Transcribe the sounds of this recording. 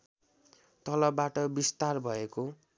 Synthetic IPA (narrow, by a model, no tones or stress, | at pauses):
t̪ʌlʌbːaʈʌbist̪arbʱʌeko